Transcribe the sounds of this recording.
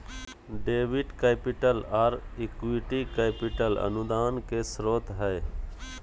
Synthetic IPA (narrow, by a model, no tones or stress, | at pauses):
ɖeːʋɪɖkeːpɪʈəlaɾɪkwiʈikeːpɪʈələ̰nʊd̪aːnkesɾoːt̪ɦɛː